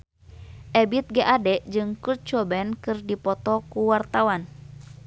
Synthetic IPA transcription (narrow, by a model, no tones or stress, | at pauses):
ʔɛbit̪̚ɡaʔadɛʔd͡ʒɨŋkurt͡ʃɔbɛnkɨrdipɔt̪ɔkuwart̪awan